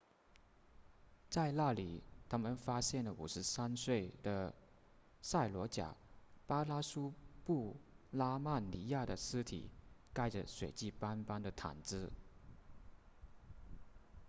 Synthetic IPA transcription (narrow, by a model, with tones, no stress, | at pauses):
t͡sa˥˧ɪla˥˩li˨˩t̪ʰa˥mə˨nfa˥ɕjɛ˥˩nlə˩ʔṵ˨˩ʂɻ̩˧˥sa˥nswe˥˩ɪd̪ə˩ | sa˥˩ɪlwɔ˧˥t͡ɕja̰˨˩˦pa˥la˥su˥pu˥˩la˥ma˥˩nli˧˥ja˥˩d̪ə˩sɹ̩˥t̪ʰḭ˨˩˦ka˥˩ɪʈ͡ʂə̰˩swe˨˩ɪt͡ɕi˥˩pa˥npa˥nd̪ə˨t̪ʰa̰˨˩nt͡sɹ̩˥˩